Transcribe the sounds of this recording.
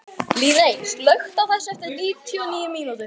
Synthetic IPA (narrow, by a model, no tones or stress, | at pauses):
liːðejnslœɥxt̪awθɛsːɛft̪ɪɾniːt̪ʰjɔniːjʏmiːnut̪ʏɾ